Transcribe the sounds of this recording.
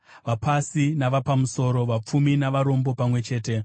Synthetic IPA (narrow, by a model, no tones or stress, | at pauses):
ʋapasinaʋapamuso̞ːɾo̞ʋap͡fuminaʋaɾo̞mbo̞pamwe̞t͡ʃe̞ːte̞